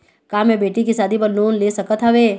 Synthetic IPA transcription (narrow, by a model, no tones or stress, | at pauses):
kaːmẽbeːʈikisaːd̪ʱibɐɾnoːnleːsɐkət̪ʰɦɐʋeː